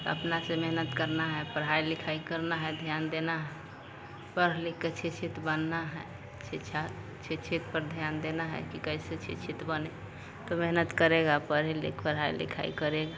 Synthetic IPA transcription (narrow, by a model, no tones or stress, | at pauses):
t̪ə̰pnasemeɦnət̪kəɾnaɦɛpəɾɦailikʰaikəɾnaɦɛd̪ʱjand̪enaɦɛ | pəɾlikːet͡ʃʰit͡ʃʰit̪bənːaɦɛ | t͡ʃʰit͡ʃʰa | t͡ʃʰit͡ʃʰit̪pəɾd̪ʱjand̪enaɦɛ̰kikəiset͡ʃʰḭt͡ʃʰit̪bəne | t̪omeɦnət̪kəɾeɡapəɾɦɛlḭkpəɾɦailḭkʰa̰ḭkəɾeɡa